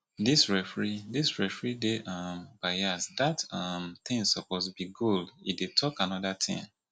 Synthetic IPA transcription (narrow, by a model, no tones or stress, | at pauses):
disɹɛfɹidisɹɛfɹideʔamb̥aɪasdatʌmt̪ĩŋsɔposbiɡoldḭdetʰɔkanɔdat̪ʰḭ̃ŋ